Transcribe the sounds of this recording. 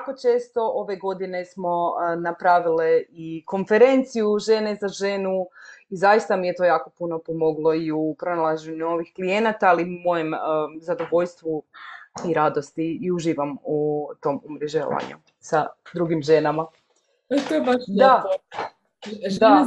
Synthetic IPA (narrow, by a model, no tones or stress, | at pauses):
jako̞t͡ʃe̞ːst̪o̞ʔo̞ʋe̞ɡo̞d̪ine̞smo̞napɾaʋileiko̞nfeɾe̞nt̪sijuʒe̞ːne̞zaʒe̞ːnuizajist̪amijet̪o̞jaːko̞puno̞po̞mo̞ɡlˠo̞iupɾonalˠaʒeɲuo̞ʋixklije̞nat̪aaliumo̞jemzad̪o̞ʋo̞ʎst̪ʋu | iɾad̪o̞st̪iːuʒiːʋamut̪o̞ːmumɾeʒḛa̰ɲṵ | sad̪ɾuɡimʒe̞nama | t̪obaʃd̪a | d̪a